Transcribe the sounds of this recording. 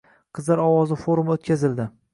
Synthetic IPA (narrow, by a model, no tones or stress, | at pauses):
qʰɨzlaɾɒwɒzɪfoɾumot̪kʲʰazɪld̪ɪ